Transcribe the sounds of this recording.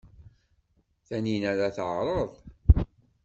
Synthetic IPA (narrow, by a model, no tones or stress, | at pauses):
θæninæɾaθʕɾˤəðˤ